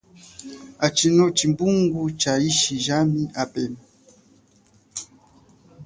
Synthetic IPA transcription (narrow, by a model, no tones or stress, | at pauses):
at͡ʃinɔt͡ʃimbuŋɡut͡ʃaiʃiʒamiapɛm